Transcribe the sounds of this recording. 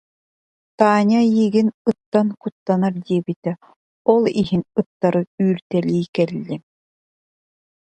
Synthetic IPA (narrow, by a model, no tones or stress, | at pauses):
t̪aːɲajiɡinɯt̪ːankut̪ːanaɾd̪iɛbit̪ɛ | ɔlˠiɦinɯt̪ːaɾɯyːɾt̪ɛliːjkɛlːi